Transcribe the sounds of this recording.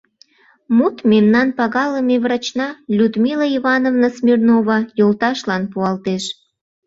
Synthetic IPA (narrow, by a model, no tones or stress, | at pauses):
mut̪memnɑnpɑɣɑləmeβrɑt͡ɕnɑlʲud̪mʲiləivɑnovnəsmʲirnoβɑjolt̪ɑʃlɑnpuɑlt̪eʃ